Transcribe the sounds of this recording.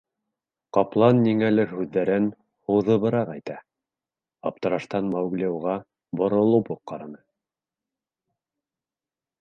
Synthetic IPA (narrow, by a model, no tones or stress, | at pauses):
qɑplˠɑnːiŋælɘɾhʉðːæɾɘn | hŏðɤ̆βɤ̆ɾɑqæjt̪æ | ɑp̚t̪ɤ̆ɾɑʃt̪ɑnmɑwɡlʲiuwʁɑ | bŏɾŏlˠɤpoqqːɑɾɑnɤ